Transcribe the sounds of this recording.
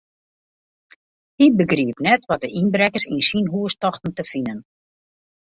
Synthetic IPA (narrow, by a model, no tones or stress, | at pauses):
hibəɡriəpnɛtʋɔt̚dəʔinbrɛkəsinsinɦuəstɔxtn̩təfinən